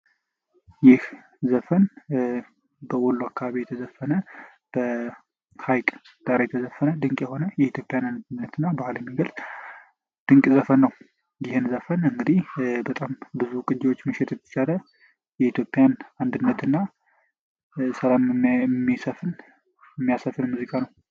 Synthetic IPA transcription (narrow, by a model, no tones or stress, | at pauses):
jɪh | zəfən | bəʔolːuakʰːaβaβijɛt̪ʰəzəfənə | b̥ə | hajkʼ | d̪̥ʼaɾejɛt̪ʰəzəfːənəd̪ɨŋkʼjɛho̞nəjɛit̪ʰjo̞pʼːjanand̪ɨnːət̪ɨnːabahaləmːiɡəls | d̪̥ɨŋkʼzəfənːəw | jɪhɨnzəfənɨŋɡɨd̪ihbət̪ʼambɨzukʼɨd͡ʒɪwo̞t͡ʃːmɨʃɪt̪jɛt̪ʰːə̥t͡ʃalə | jɛit̪ʰjo̞pʼjanand̪ɨnːət̪ʰɨnːa | səlammːisəfɨn | mːijasəfɨnmuzikʼanəw